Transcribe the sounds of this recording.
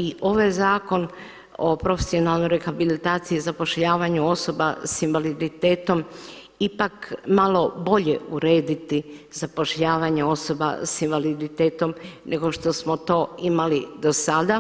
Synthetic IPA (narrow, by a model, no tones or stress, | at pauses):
iʔo̞ʋajzaːko̞n | o̰pɾo̞fesio̞naːlˠnojɾe̞xabilit̪aːt̪siizapo̞ʃʎaːʋaɲuo̞so̞ba̰sinʋalid̪it̪e̞ːt̪o̞m | ipakmalo̞bo̞ʎe̞uɾe̞ːd̪it̪izapo̞ʃʎaːʋaɲeo̞so̞ba̰sinʋalid̪it̪eːt̪o̞mnʔe̞ɡo̞ʃt̪o̞smot̪o̞ːimalid̪o̞sad̪a